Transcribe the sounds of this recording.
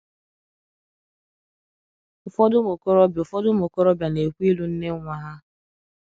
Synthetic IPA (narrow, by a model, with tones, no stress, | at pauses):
ʊ˨fɔ˦dʊ˦mo˨ko˦ɾɔ˦bʊ˨fɔ˦dʊ˦mo˨ko˦ɾɔ˦bja˨ne˨kʷi˦lu˦n̩˦ne˦ŋʷa˨ɦa˦